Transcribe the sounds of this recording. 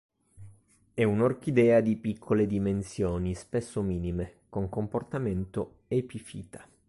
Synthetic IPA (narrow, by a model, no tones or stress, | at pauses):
ɛunork̟id̪ɛːad̪ipikʰːoled̪imensjoːnispesːomiːnimekoŋkomport̪ament̪o | epifiːt̪ḁ